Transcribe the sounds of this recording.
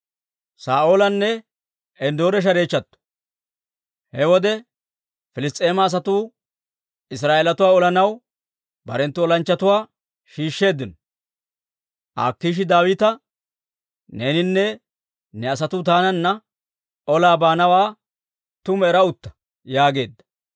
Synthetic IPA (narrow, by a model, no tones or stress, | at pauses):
saːʔoːlɐnːɛ | ʔɛnd̪oːɾɛʃ̬ɐɾe̞ːt͡ʃːɐt̪ːɔ̥ | hɛwɔd̪ɛ | fɪlɪst̪ʼːe̞ːmɐːs̬ɐt̪uː | ɪs̬ɾaːʔeːlɐt̪ʊwaːɔlɐnɐw | bɐ̰ɾɛnt̪ːʊɔlɐnt͡ʃːɐt̪ʊwaː | ʃiːʃːe̞ːd̪ːɪnɔ | ʔa̰ːkːiːʃ̬ɪd̪aːwɪt̪ɐ | neːnɪnːɛ | nɛɐs̬ɐt̪uːt̪aːnɐnːɐ | ɔlaːbaːnɐwaː | t̪ʊmɛɾɐʊt̪ːɐ̥ | jaːɡe̞ːd̪ːɐ̥